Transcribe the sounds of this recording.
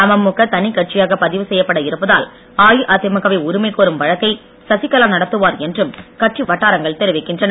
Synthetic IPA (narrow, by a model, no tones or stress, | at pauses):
ɐmɐmːʊkɐt̪ɐnɪkːɐʈ̚t͡ʃɪjaːɣɐpɐðɪʋɯsɛjːɐpːɐɽɐɪɾɯpːɐðaːl | aːjɯʔɐt̪ːɪmɐkɐʋɐɪʊɾɪmɐɪkːoːɾɯmʋɐɻɐt̪ːɐɪ | sɐsɪkːɐlaːnɐɽɐt̪ːɯʋaːɾɛndrɯmkɐʈt͡ʃiʋɐʈːaːɾɐŋɡɐɭt̪ɛɾɪʋɪkːɪndrɐnɐ